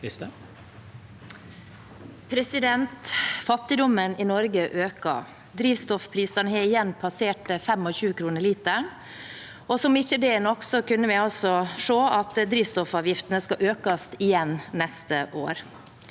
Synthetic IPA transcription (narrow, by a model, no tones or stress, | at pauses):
pʰɾɛsɪd̪ɛnt̪fɑt̪ːɪd̪ɔmənɪnɔɾɡəʔøːkɑ̰ | d̪ɾiːʋst̪ɔfpʰɾiːsɑɳəhæɪjɛnːpʰɑseːʈəfɛmɔçʉːkʰɾuːnəɭiːt̪əɳ | ɔsɔmɪçəd̪ɛnɔkːsɔkʉnːəʋɪɑlsɔʂoːʔɑt̪d̪ɾiːʋst̪ɔfɑːʋjɪft̪ənəskɑʔøːkɑst̪ɪjɛnnɛst̪əʔoːɾ